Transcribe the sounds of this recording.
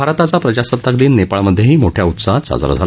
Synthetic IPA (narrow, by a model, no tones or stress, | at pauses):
bʱaɾt̪at͡sapɾəd͡ʑasət̪ːəkd̪iːnːepaɭməd̪ʱːjeɦiːmoʈʰjaut̪saɦ̪sa̰d͡za̰ɾ̰d͡zʱala